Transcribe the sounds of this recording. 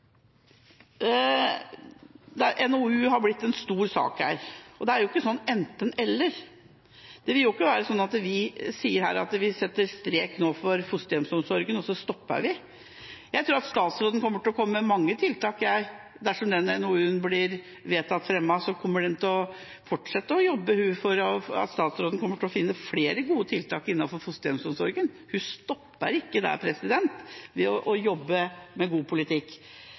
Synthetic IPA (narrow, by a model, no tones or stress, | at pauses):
d̪ɛʔɛnoʉːhɑɾblɪt̪ːɛnst̪uːɾsɑ̰ːkhæ̰ːɾɔd̪ɛæɾjʊɪkːəsɔnːɛnt̪ənɛlːəɾ | d̪̥ɛʋɪljʊɪkːəʋæːɾəsɔnːɑt̪ʋɪsiːəɾhæ̰ːɾɑ̰t̪ʋɪsɛt̪ːəɾst̪ɾeːknoːfɔɾfʊst̪jɛmsɔmsɔɾɡənɔsːɔst̪ɔpːə̰ʋɪ | jæɪt̪ɾuːɾɑt̪st̪ɑːt̪sɾoːd̪n̩kʰɔmːəʈɪlɔkʰɔmːəmɑŋːət̪ʰɪlt̪ɑːkjæɪ | d̪æʂɔmd̪ɛnːənuːəʉnblɪɾ | ʋeːt̪ʰɑt̪ːfɾɛmːɑsɔkʰɔmːəɖɛnt̪ɪlɔ | fɔʈʂɛt̪ːəɔjɔbːəhʉfɔɾɔɑ̰t̪st̪ɑːt̪sɾoːd̪n̩kɔmːəʈʰɔfɪnːəfleːɾəɡuːət̪ʰɪlt̪ʰɑːkɪnːɑnfɔɾfʊst̪ɛmsɔmsɔɾɡən | hʉst̪ɔpːə̰ɾɪkːəd̪æ̰ɾpʰɾɛsɪd̪ɛnt̪ʋɛɔʔɔjɔbːəmɛɡuːpʰʊlɪt̪ʰɪkː